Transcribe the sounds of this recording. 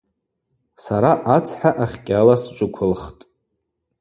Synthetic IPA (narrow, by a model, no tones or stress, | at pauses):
saɾaʔat͡sʰħaʔaχʲkʲʼalast͡ʃʷʼʊkʷʰʊlχtʼ